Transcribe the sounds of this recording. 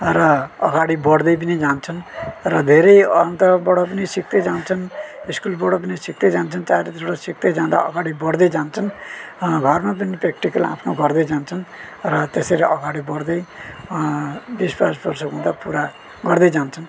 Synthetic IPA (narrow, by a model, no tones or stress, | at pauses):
ɾʌʌɡaɽibʌɽd̪ʌjp̬ʌnid͡zant͡sʰʌnɾʌd̪ʱeɾʌjʌnt̪ʌbʌɽopʌnisik̚t̪ejd͡zant͡sʰʌniskulbʌɽop̬ʌnisik̚d̪ʌjd͡zant͡sʰʌnt͡saɾed̪oɽosik̚d̪ejd͡zãd̪a̰ʔʌɡaɽibʌɽd̪ʌjd͡zant͡sʰʌn | ɡʱʌrmap̬ʌnipekʈikʌla̰pʰnoɡʱʌɾd̪ʌjd͡zant͡sʰʌn | ɾʌt̪eseɾeʔʌɡaɽibʌɽd̪ʌj | bispad͡zbʌrsʌɦũd̪apuɾa | ɡʌɾd̪ʌjd͡zant͡sʰʌn